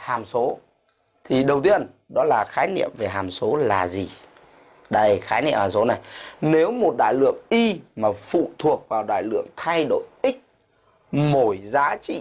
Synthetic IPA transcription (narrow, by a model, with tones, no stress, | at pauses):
haː˨˩mso˨˦ | t̪ʰi˨˩ɗə˨˩wt̪i˧ən | ɗɔ˨˦laː˨˩xaː˨˦jnḭ˧˨əmve˨˩ɦaː˨˩mso˨˦laː˨˩zi˨˩ | ɗə˧jxaː˨˦jnḭ˧əmhaː˨˩mso˨˦na˨˩jne˨˦wmo˨˩t̚ɗa̰ː˧˨jlɨ̰˧˨əŋʔi˧maː˨˩fṵ˧˨t̪ʰu˨˩ək̚vaː˨˩wɗa̰ː˧˨jlɨ̰˧˨əŋt̪ʰa˧jɗo̰˧˩jʔï˦˥k̚ | mo˧˩jzaː˨˦t͡ɕḭ˧˨